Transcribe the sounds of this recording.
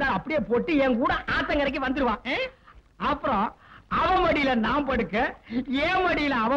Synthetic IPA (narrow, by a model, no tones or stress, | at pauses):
daːɾɐpːɐɽɪjeːpoːʈːɯɛŋkuːɽɐʔaːt̪ːɐŋɡɐɾɐk̬ːɯʋɐnd̪ɯɾɯʋãː | ɐpːɯɾɔ̃ːɐʋɐ̃mɐɽɪjɪlɐnãːmpɐɽɯkːɐeːmɐɽɪjɪlɐɐʋɐ